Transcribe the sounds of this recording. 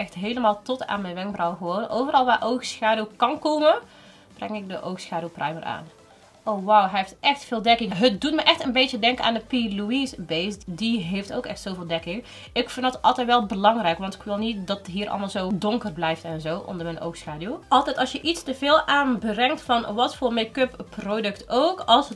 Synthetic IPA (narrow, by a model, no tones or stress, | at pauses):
ɛxtɦeːləmaːlˠtɔta̰ːnmɛnʋɛŋkbrɔwɣəʋownʔoːvərɑlˠʋaːʔowxsxaːdywkɑnkoːmə | b̥rɛŋɪk̚dəʔowxsxaːdyuwprʔɛjmərʔa̰ːn | ʔowʋawɦɛeftʔɛxtfɪːlˠdɛkɪŋɦət̚dutməʔɛxtənbejtjədɛŋkəna̰ːndəpiluisbejstdiɦefto̰wkɛ̰xtsowvɪːlˠdɛkɪŋ | ʔɪkfɪndɑtɑ̰lˠtɛjtʋɛlˠbəlɑŋrɛjkʋɑntɪ̥kʋɪlˠnit̚dɑtɦiːɾʔɑ̰lˠmaːlˠzoːdɔŋkərblɛjftɛnzowʔɔ̰ndəɹmɛnʔo̰wxsxaːduwʔɑlˠtɛjtɑlˠsjəʔitstəveːlˠaːnbrɛŋktfɑnʋɑtfoːrmekøpːrodɵktowkɑlˠs